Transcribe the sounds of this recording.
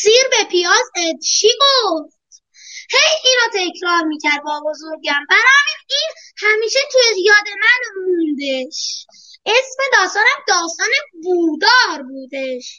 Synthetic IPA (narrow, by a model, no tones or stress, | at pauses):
siːɾbepʰiɒːzed̪t͡ʃʰiːɡoft̪ | hejiːnɒːt̪ʰe̞cʰɾɒːɾmiːcʰæɾd̪vɒːɡo̞zoɾɟæmbæɾɒːminiːn | hæmiːʃet̪ʰujejɒːd̪e̞mænmund̪eʃ | ʔesme̞d̪ɒːst̪ɒːnæmd̪ɒːst̪ɒːnebuːd̪ɒːɾbuːd̪eʃ